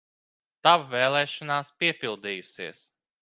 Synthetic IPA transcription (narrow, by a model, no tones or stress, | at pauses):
t̪avvɛːlˠɛːʃɔnaːspiɛpilˠd̪iːjusiɛs